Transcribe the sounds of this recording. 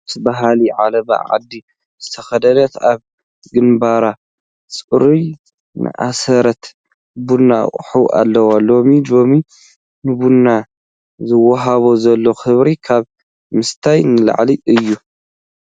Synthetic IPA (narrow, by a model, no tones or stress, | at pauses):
tbaɦaliʕalɐβa̰ʕa̰d̪ːi | zɨt̪ʰɐxɐd̪ɐnɐt̪aβ | ɡɨnbaɾa | sʼɨɾuj | nɨ̰ʔasɐɾɐt̪ | bunːaχʼħuʔa̰lːɐwalo̞milo̞mi | nɨbunːa | zɨwɐɦaβozɐlːo̞xɨβɾikʰaβ | mɨst̪ʰajnɨla̰ʕliʔɨjːu